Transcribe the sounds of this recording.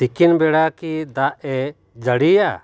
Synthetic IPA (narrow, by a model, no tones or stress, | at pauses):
ikinbɛɽakid̪aʔɛ | d͡ʒəɽija